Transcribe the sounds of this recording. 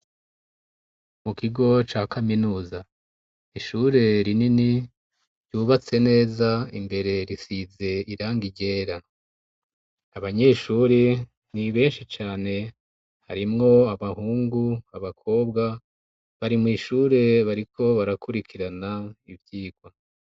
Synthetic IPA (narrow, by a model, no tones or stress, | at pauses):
mukiɡo̞t͡ʃaːkʰaminuːza | iʃuɾe̞ɾinini | ɾjuːβat͡se̞ne̞ːzaimbe̞ɾe̞ɾisize̞iɾaːŋɡiɟe̞ːɾa | aβaɲe̞ʃuɾe | niβe̞ːnʃit͡ʃaːne̞ | haɾimŋo̞aβahuːŋɡuaβakʰo̞ːbɡa | βaɾimŋiːʃuːɾe̞βaɾikʰo̞βaɾakuɾikʰiɾanaivjiːɡ̥wa